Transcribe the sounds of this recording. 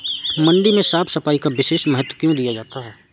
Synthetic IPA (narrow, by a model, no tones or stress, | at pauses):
mɐ̃ɳɖimẽsaːpsɐfaːikaʋɪʃeːʃmɛɦət̪wkjõd̪ijad͡ʒaːt̪aɦɛː